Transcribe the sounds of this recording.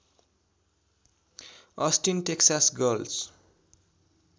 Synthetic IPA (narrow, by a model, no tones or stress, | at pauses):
ʌsʈinʈeksasɡʌls